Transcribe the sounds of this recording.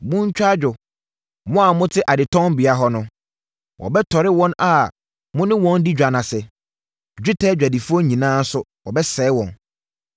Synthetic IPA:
mʊ̃˦ɲ˦t͡ɕᶣa˦d͡ʑᶣʊ˨ | mʊ̃˦a˨mʊ̃˦tʰɪ˦ʔa˨dɪ˨tʰɔ̃˦m˦bɪ˨a˨˦ɦɔ˦nʊ̃˦ | wʔɔ̰˨bɛ˦tʰɔ˨ɾɪ˦wɔ̃˦na˨ | mʊ̃˦nɪ̃˦wɔ̃˦n˦di˦d͡ʑᶣa˨nã˨sɛ˨ | d͡ʑᶣɪ˦tʰɛː˦d͡ʑᶣa˨di˨fu˦ɔ˦ɲĩ˨nãː˦n̩˦sʊ˦wɔ˨bɛ˦sɛː˨˦wɔ̃˨n

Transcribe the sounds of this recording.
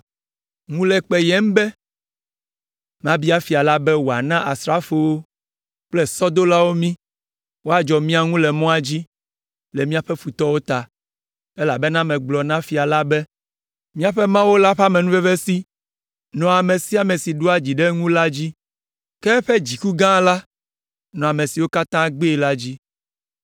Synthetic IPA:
ŋũ˦lɛ˨k͡pe˨jɛ˦m˦bɛ˦ | mã˦bi˦a˦fi˨a˨la˦bɛ˦wo˨a̰˨nã˦ʔa˨sɾa˦fo˨wo˦ | k͡plɛ˦sɔ˦d̪o˦la˦wo˦mĩ˦ | wo˦a˦˨d͡ʒɔ˨mĩ˦a˦ŋũ˦lɛ˨mɔ̃˦a˨d͡ʑi˦ | lɛ˨mĩ˦a˨ɸɛ˦fu˨t̪ɔ˦wo˦t̪a˨ | e˦la˨bɛ˦nã˦mɛ̃˨ɡ͡blɔ˨nã˦fi˨a˨la˦bɛ˦ | mĩ˦a˨ɸɛ˦mã˦wo˦la˦ɸa˦mẽ˨nũ˦ve˦ve˦si˦ | nɔ̃˨a˨mẽ˨si˦a˨mẽ˨si˨ɖo˦a˦d͡ʑi˨ɖɛ˦ŋũ˦la˦d͡ʑi˦ | kɛ˦ɸɛ˦d͡ʑi˨ku˦ɡã˦la˦ | nɔ̃˨a˨mẽ˨si˨wo˦ka˦t̪ã˦ɡ͡be˦˨la˦d͡ʑi˦

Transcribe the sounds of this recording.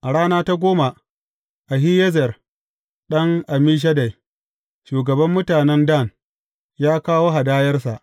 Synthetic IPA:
ʔa˨ɽaː˦naː˦ta˦ɡʷoː˦ma˨ | ʔa˨ɦi˦jɛ˦zɛ˨r | ɗɐ˦ŋʔa˨miː˦ʃ̬ɐ˦da˨j | ʃuː˨ɡɐ˨bɐ˦mːʊ˦taː˨nɛ˦nda˦˨n | jaː˦kaː˦woː˦ɦa˨daː˦jɐ˦rsa˨ʔ

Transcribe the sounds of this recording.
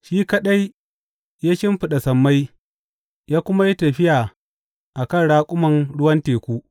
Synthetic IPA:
ʃiː˦kɐ˦ɗa˦j | jaː˦ʃɪ˦mɸɪ˨ɗa˨sɐ˨mːa˦j | jaː˦kʷʊ˦ma˦ji˦tɐ˨ɸɪ˦jaː˨ | ʔa˨kɐ˦˨nɽaː˦kʷʼʊ˦mɐ˨nɽʊ˦wɐ˦nteː˨kʷuː˦ʔ

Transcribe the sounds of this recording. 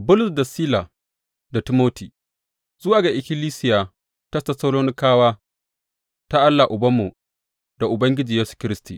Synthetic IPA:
bʊ˦lʊ˨sda˨siː˦la˨ | da˨tɪ˦moː˦tiː˨ | zʊ˦waː˨ɡa˨ʔɪ˨kʲɪ˦liː˦sɪ˦ja˨ | tɐ˦sta˨soː˦loː˦nɪ˦kaː˦waː˦ | ta˦ʔa˦lːa˨ʔʊ˨bɐ˦mːu˨ | da˨ʔʊ˨bɐ˦ŋɡʲɪ˦d͡ʒiː˨jeː˦su̥˨kʲɪ˦ɾɪ˦stḭː˨

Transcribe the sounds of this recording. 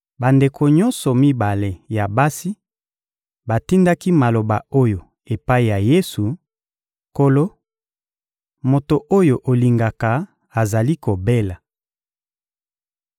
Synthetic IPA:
ba˨nde˨kʰo˨ɲɔ˦nsɔ˨mi˦ba˨le˨ja˨ba˦si˦ | ba˨ti˦nda˦ki˦ma˨lo˨ba˨o˦jo˨ | e˨pa˦i˨ja˨je˦su˨ | ko˦lo˦ | mo˨to˨ʔo˦jo˨ʔo˨li˨ŋɡa˨ka˨ | a˨za˨li˦ko˨be˦la˨

